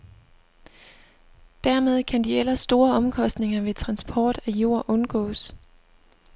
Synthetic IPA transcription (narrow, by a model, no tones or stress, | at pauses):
d̥æɐ̰með̞ˠkʰænd̥iel̰ɐsːd̥o̝ːɐɒ̽mkʰɒ̽sd̥ne̝ŋɐʋe̝t͡sʰʁɑ̈nsb̥ʰɒːd̥æjo̝ɐ̰ʔɔ̽nɡ̥ɔ̰̽ːs